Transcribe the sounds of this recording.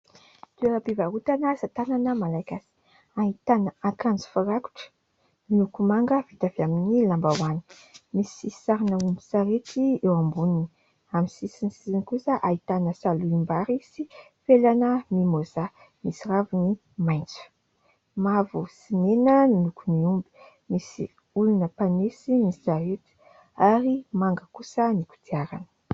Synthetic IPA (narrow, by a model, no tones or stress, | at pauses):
d̪uaabivaɦut̪anazat̪ananəmalajkasi̥ | aɦit̪anəakand͡zu̥faɾaku̥ʈ͡ʂə̥ | ninukumaŋɡəvit̪aviaminilambawani̥ | misi̥isi̥saɾinəumbu̥saɾet̪iewambunini | amisisinsisinkusəʔait̪anəsaluimbaɾisi | felanəmimoza | misiravuni | majnt͡suə̥ | mavusinenənilukuniumbi̥ | misi | ulunəpanesinizaɦet̪i̥ | aɾimaŋɡəkusəniku̥t̪iaɾanə̥